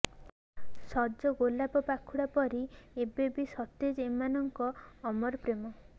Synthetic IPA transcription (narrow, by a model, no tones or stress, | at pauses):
sɔd͡ʒɔɡolapɔpakʰuɽapɔɾiebebisɔt̪ed͡ʒemanɔŋkɔːmɔɾpɾemɔ